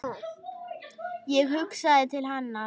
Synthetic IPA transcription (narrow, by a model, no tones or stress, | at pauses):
jɛɣhʏksaðɪt̪ʰɪlɦanːa